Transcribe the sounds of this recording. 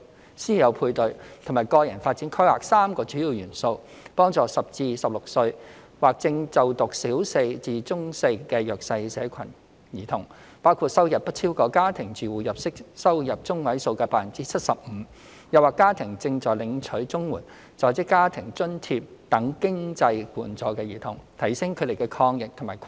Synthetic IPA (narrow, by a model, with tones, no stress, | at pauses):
siː˥jɐ˨˧wpʰuː˧jt̪ɵ˨ɥt̪ʰmaː˨jkɔː˧jɐ˨˩nfaː˧t̚t͡siː˨˥nkʰwaː˨k̚saː˥mkɔː˧t͡ʃyː˨˥jiː˨wjyː˨˩nso˧w | pɔː˥ŋt͡sɔː˨˧sɐ˨p̚t͡siː˧sɐ˨p̚lʊ˨k̚sɵ˧ɥ | waː˨˩k̚t͡sɪ˧ŋt͡sɐ˨wt̪ʊ˨k̚siː˨˥wse˧jt͡siː˨˧t͡sʊ˥ŋse˧kɛː˧jœː˨k̚sɐ˧jsɛː˨˧kʰɐ̰˨˩n | jiː˨˩t̪ʰʊ˨˩ŋ | paː˥wkʰuː˨t̚sɐ˥wjɐ˨˩p̚pːɐ˥t̚t̪ʰt͡sʰiː˥wkɔː˧kaː˥t̪ʰɪ˨˩ŋt͡ʃyː˨wuː˨jɐ˨p̚sɪ˥k̚sɐ˥wjɐ˨p̚t͡sʊ˥ŋwɐ˨˥jso˧wkɛː˧paː˥fɐ˨˩nt͡siː˥t͡sʰɐ˥t̚sɐ˨p̚m̩˨˧˦ | jɐ˨waː˨˩kːaː˥t̪ʰɪ˨˩ŋt͡sɪ˧ŋt͡ʃɔː˨jlɪ˨˧ŋt͡ʃʰɵ˨˥ɥt͡sʊ˥ŋwuː˨˩n | t͡sɔː˨˩jt͡sɪ˥kːaː˥t̪ʰɪ˨˩ŋt͡ʃɵ˥nt̪ʰi˧p̚t̪ɐ˨˥ŋkɪ˥ŋt͡sɐ˧jkuː˨˩nt͡sɔː˨˧kɛː˧jiː˨˩t̪ʰʊ˨˩ŋt̪ʰɐ˨˩jsɪ˥ŋkʰɵ˨˧d̪e˨˩jkɛː˧kʰɔː˧ŋjɪ˨k̚t̪ʰmaː˨˩